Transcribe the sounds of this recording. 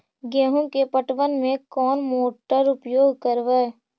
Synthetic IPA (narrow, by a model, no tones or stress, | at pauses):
ɡẽːɦũkepəʈʋənmẽkɔːnmoːʈəɾʊpjoːɡʱkəɾʋɛ